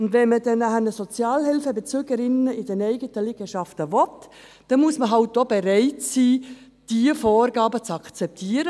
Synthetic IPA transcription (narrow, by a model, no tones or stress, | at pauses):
ʊndvɛnmədɛnːæhənəsɔt͡sjɑːlhɪlfəbet͡søɡəɾɪnəɪd̥ɛnɛɪɡətəlɪɡ̥əʃɑftəvɔt | d̥ɛnmusməɦɑlt̚dobeɾɛɪtsiː | d̥iəfɔːrɡ̥ɑːbət͡sɑkt͡sɛp̚tʰiːəɾə